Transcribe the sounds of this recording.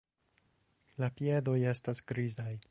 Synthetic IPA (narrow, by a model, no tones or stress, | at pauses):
lapie̞do̞je̞stasɡɾizaj